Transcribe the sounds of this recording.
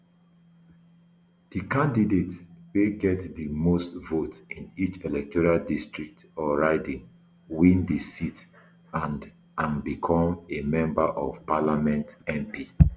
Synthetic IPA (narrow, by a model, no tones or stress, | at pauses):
d̥ikãndidetweɡɛtdimostvotĩnit͡ʃelɛk̚tɔɹaldistɹik̚tɔɹaɪdĩŋ | wĩndisit | ãnd | ãnbikʰɔ̃memɛ̃mbaʔɔv̥palamɛ̃ntɛ̃mpʰi